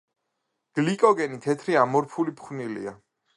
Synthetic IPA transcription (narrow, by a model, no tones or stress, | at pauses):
ɡ̥likʼɔɡɛnit̪ʰɛt̪ʰɾiamɔɾpʰulipʰχwnilḭa